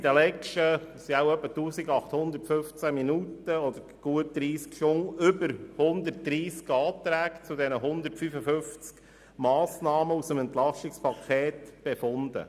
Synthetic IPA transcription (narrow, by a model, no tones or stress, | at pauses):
id̪əlɛt͡ʃtəsiawœpːətuːsiɡɑχt̪hʊnd̪əɾtføft͡sæminutəɔd̥̪əɾɡ̥uət̚d̪̥ɾiːskʃoŋʏbəɾhʊnd̪ərt̚d̥ɾiːskɑːt̪ɾæːkt͡sudɛnəɦʊnd̪əɾtfyfəfʏnft͡sk | mɑːsnɑːməusəmɛntlɑʃtɪkspʰɑkʰeːt̪b̥efʊnd̪ə̰